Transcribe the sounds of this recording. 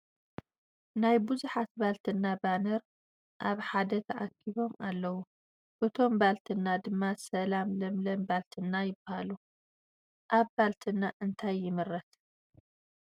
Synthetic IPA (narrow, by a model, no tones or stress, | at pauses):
najbuzuħat̪balt̪ʰɨnːabanɐɾ | ʔaβħad̪ɐt̪ʰɐʔa̰kʰːiβo̞mʔalːɐwu | b̥ɨt̪ʰo̞mbalt̪ʰɨnːad̪ɨmːasɐlamlɐmlɐmbalt̪ʰɨnːajɪbahalu | ʔaβbalt̪ʰɨnːaʔɨnt̪ʰajːɪmɨɾːɐt̪